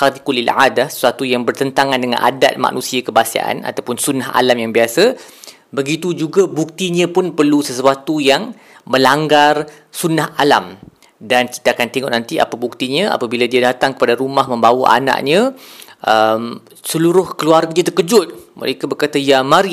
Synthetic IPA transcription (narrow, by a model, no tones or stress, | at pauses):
kaɾikulilʕad̪asə̥swat̪ujaŋbərt̪ənt̪aŋãndəŋa̰nʔa̰da̰t̪̚ma̰ʔnũsiakəbasa̰ʔa̰na̰t̪awpʊnsunaɦa̰lamjaŋbiasa | bəɡit̪ud͡ʒuɡabuk̚t̪iɲə̃pʊnpərlusəsuat̪ujaŋ | məlaŋɡar | sunaɦalam | danki̥t̪akant̪eŋɔ̰ʔnant̪ia̰pabuk̚t̪iɲə̃a̰pabiladiadat̪aŋkə̥padaɾumaɦmə̃mbawaʔa̰na̰ʔɲə̃ʔəm | səluɾʊhkəluarɡadiat̪ərkəd͡ʒʊt̪̚mʔə̰ɾekabərkat̪ajamaɾi